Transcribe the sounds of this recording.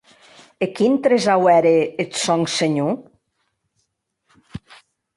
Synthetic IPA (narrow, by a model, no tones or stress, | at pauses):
ekint̪ɾezawɛɾeet̪sɔŋseɲu